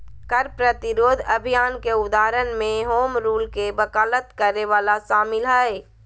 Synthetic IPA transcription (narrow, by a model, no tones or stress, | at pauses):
kəɾpɾət̪ɪɾoːd̪ʱəbʱijaːnkeʊd̪aːɾənmẽɦoːmɾuːlkebəkaːlət̪kəɾeʋaːlaʃaːmɪlɦɛ